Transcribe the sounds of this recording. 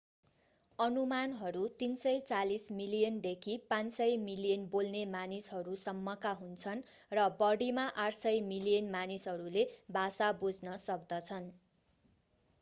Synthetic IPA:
ʌnumanɦʌɾut̪insʌjt͡salismilijʌnd̪ekʰipãnsʌjmilijʌnbolnemanisɦʌɾusʌmːʌkaɦunt͡sʰʌn | rʌbʌɽimaʔaʈʰsʌjmilijʌnmanisɦʌɾulebʱasabud͡znʌsʌk̚d̪ʌt͡sʰʌn

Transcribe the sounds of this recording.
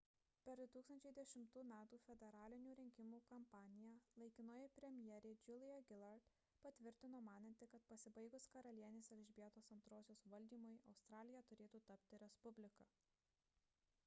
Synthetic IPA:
pʲɛɾd̪ʊt̪uːkst̪ɐnʲt͡ʃʲɛɪd̪ʲɛʃʲɪmt̪uːmʲæːt̪uːfʲɛd̪ʲɛɾɑːlʲɪnʲuːɾʲɪŋʲkʲɪmuːkɐmpɑːnʲɪjɛlˠɐɪkʲɪnoːjɛpʲɾʲɛmʲjɛɾʲeːd͡ʒʲʊlʲɪjɛɡʲɪlˠɐɾt̪ | pɐt̪ʲʋʲɪɾʲt̪ʲɪnoːmɑːnɐnʲt̪ʲɪkɐt̪pɐsʲɪbɐɪɡʊskɐɾɐlʲiɛnʲeːsɛlʲʒʲbʲiɛt̪oːsɐnt̪ɾoːsʲoːsʋɐlʲd̪ʲiːmʊjɐʊst̪ɾɑːlʲɪjɛt̪ʊɾʲeːt̪uːt̪ɐpʲt̪ʲɪɾʲɛspʊbʲlʲɪkɐ

